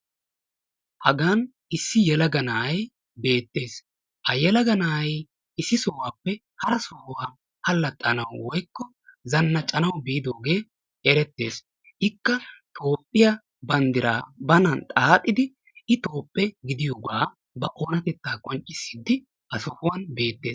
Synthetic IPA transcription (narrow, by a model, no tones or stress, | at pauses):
hɐɡaːn | ʔɪsːɪjɛlɐɡɐnaːj | be̞ːt̪ːe̞ːs | hɐjɛlɐɡɐnaːj | ɪsːɪsoːwaːpːɛ | hɐɾɐsoːwaː | hɐlːɐt̪ʼːɐnɐwwɔjkːɔ | zɐnːɐt͡ʃʼɐnɐwbiːd̪o̞ːɡe̞ː | ɛɾɛt̪ːe̞̰ːs | hɪkːɐt̪ʰo̞ːpʼːɪjɐ | bɐnd̪ɪɾa̰ːbɐnɐnt̪ʼaːt̪ʼːɪd̪ɪ | ɪt̪o̞ːpʼːɛɡɪd̪ɪjoːɡaː | bɐʔoːnɐt̪ɛt̪ːaːkʼɔnt͡ʃʼːɪ̥sːɪd̪ːɪ | ɐsʊhwɐnbe̞ːt̪ːe̞̰ːs